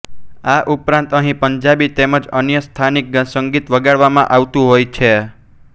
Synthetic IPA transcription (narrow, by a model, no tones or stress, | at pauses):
aʔupɾãnt̪əɦĩpəɲd͡ʒabit̪eməd͡ʒənjəst̪ʰanik̚ɡəsəŋɡit̪ʋəɡaɽʋamãʔaʋt̪ũɦojt͡ʃʰe